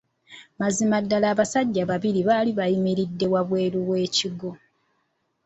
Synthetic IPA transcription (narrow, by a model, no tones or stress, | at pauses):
mazimadːalaːβasaɟːaβaβiɾiβaːliβajimiɾidːe̞waβwe̞ːɾuβwe̞ːciɡo̞